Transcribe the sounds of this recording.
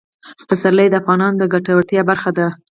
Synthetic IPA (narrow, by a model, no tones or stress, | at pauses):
pasaɾlajd̪əafɣɑnɑnd̪əɡaʈawəʈ̪jɑbaɾxad̪a